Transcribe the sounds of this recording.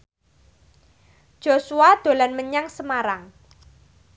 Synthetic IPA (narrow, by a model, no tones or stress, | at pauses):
ʒ̥o̤suad̪̥o̤lanməɲaŋsəmaɾaŋ